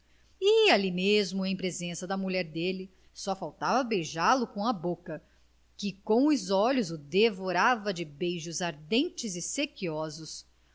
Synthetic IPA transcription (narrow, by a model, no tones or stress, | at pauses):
ɪalimezmʊẽj̃pɾezẽsɐd̪ɐmulʎɛɾd̪elɪ | sɔfawt̪avɐbejʒalʊkõɐbokɐ | kɪkõw̃ʊzɔʎʊzʊd̪evoɾavɐd͡ʒɪbejʒʊzaɾd̪ẽnt͡ʃɪzɪsekiɔzʊs